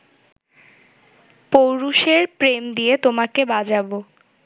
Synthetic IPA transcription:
powɾuʃeɾpɾemd̪iet̪omakebad͡ʑabo

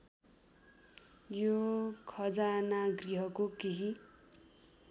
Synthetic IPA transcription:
jokʰʌd͡zanaɡriɦʌkokeɦi

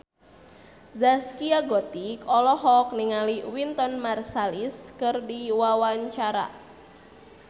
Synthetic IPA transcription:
zaskiaɡɔt̪ikɔlɔɦɔk̚niŋaliwint̪ɔnmarsaliskɨrdiwawaɲt͡ʃaɾa̰

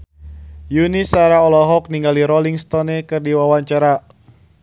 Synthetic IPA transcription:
junisaɾaɔlɔɦɔk̚niŋɡaliɾɔliŋst̪ɔnɛkɨrdiwawaɲt͡ʃaɾa

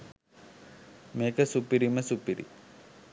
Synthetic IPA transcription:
meːkəsupiɾiməsupiɾḭ

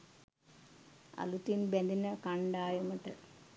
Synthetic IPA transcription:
ɐ̰lut̪ːinbend̪inɐkɐɳɖaːjumɐʈːɐ

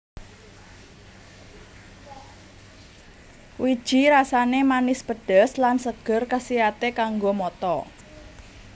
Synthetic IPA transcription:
wid̥ʒ̥i̤ɾasanemanɪspəɖ̥ə̤slansəɡ̥ə̤rkasiat̪ekaŋɡomɔt̪ɔ

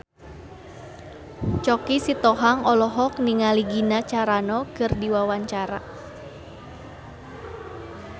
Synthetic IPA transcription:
t͡ʃɔkisit̪ɔɦaŋɔlɔɦɔkniŋaliɡinat͡ʃaɾanɔkɨrdiwawaɲt͡ʃaɾa

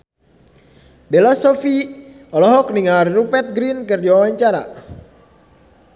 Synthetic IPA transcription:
belasofi | ɔlɔɦɔk̚niŋarrupɛt̪̚ɡɾinkɨrdiwawaɲt͡ʃaɾa̰

